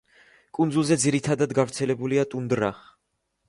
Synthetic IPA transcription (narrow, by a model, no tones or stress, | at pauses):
kʼund̪zulˠzɛd̪ziɾit̪ʰad̪ad̪ɡavɾt̪sʰɛlɛbuliat̪ʼund̪ɾaχ